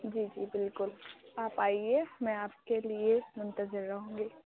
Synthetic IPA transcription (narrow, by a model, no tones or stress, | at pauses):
d͡ʒiːd͡ʒiːbɪlkʊlaːpaːiemɛ̃aːpkeliemʊ̃nt̪əzɪɾːɐɦõːɡeː